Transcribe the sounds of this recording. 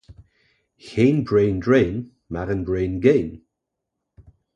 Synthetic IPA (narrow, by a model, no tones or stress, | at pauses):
çeːnbɹeːndɹeːn | maɾənbɹejnɡeːn